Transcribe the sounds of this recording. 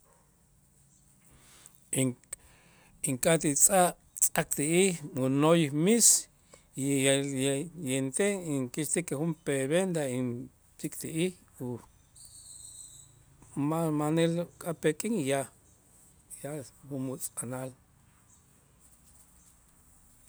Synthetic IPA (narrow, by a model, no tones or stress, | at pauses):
iŋ | iŋkʼat̪it͡sʼaʔ | t͡sʼakt̪iihmunojmis | jent̪eiŋkiʃt̪ikexumpeβend̪ain | t͡sikʼt̪iʔih | u | mamanelkʼapekʼiŋja | jahunmut͡sʼanal